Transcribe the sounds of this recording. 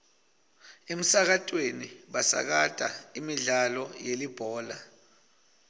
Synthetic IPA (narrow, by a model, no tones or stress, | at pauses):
em̩sak̬atʼweniɓasa̰k̬ad̥ʱaimiɮalɔjelib̥ʱɔːla